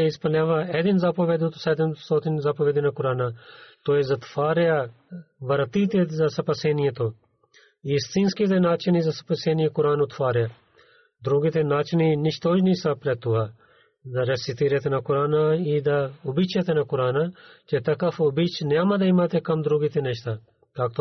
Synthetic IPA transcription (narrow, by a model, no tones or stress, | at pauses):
eispɐljaːʋaːɛːd̪inzaːpoːʋeːd̪ut̪oseːd̪insoːt̪inzaːpoʋeːd̪inakʊɾaːnaːt̪oːezɐt̪faːɾja | ʋɐɾɐt̪iːt̪ezɐsɐpɐseːnijet̪oː | iːst̪ĩnskizenaːt͡ʃenizɐsɐ̥pɐseːnijẽkʊɾaːnʊt̪faːɾjaː | d̪ɾoːɡit̪enaːt͡ʃniːnɪʃt̪oːd͡ʒnisɐpɾɛt̪uɦaː | d̪ɐɾesit̪iɾet̪enakʊɾaːnaːiːd̪aʊbit͡ʃʰjet̪enakʊɾaːnaːt͡ʃet̪ɐkɐfobit͡ʃʰnjaːmad̪ɐimat̪ekɐmd̪ɾoːɡit̪eneʃt̪aː | k̪aːkt̪o